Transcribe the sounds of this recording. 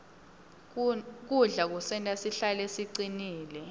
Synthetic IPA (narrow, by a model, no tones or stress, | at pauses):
k̬uɮak̬usɛntʼasiɬalesiǀiniːlɛ